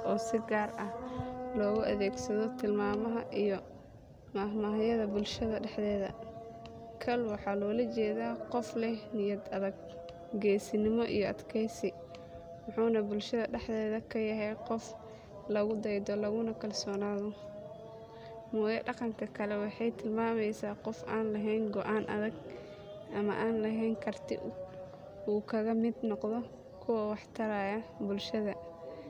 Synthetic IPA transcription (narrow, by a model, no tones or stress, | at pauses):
ʔɔːsɪɡaːrɐhlɔːɣʊʔɐðɛːɡsɐðɔt̪ʰɪlmaːmɐɦɐʔijɔ | mɐɦmɐɦɐjɐðɐbʊlʃɐðɐɖɛħd̪ɛːðɐ̰ | kʰɐlwɑħɑlɔːlɐt͡ʃɛːðaːqɔflɛnɪjɐd̪ɐðɐɡ | ɡɛːsɪnɪmɔʔḭjɔʔɐd̪kʰɛjsɪ | mɑħuːnɐbʊlʃɐðɐɖɛħðɛːðɐkʰɐjɐɦɛjqɔf | lɐɣʊd̪ɛjd̪ɔlɐɣʊnɐkʰɐlsɔːnaːðɔ | mɔːjɐɖɑqɑŋkʰɐkʰɐlɛwɑħɑjt̪ʰɪlmaːmɛjsaːqɔfʔaːnlɐɦɛjnɡɔʔaːnʔɐ̰ðɐɡ | ʔɐmɐ̰ʔaːnlɐɦɛjnkʰɐrt̪ʰɪ̰ʔ | uːkʰɐɣɐmɪd̪nɔqðɔ | kʰʊwɐwɑħt̪ʰɐɾajɐbʊlʃɐðɐ